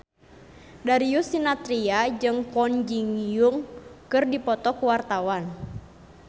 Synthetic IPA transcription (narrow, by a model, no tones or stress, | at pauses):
daɾijusinat̪ɾiad͡ʒɨŋkɔnd͡ʒiŋjuŋkɨrdipɔt̪ɔkuwart̪awan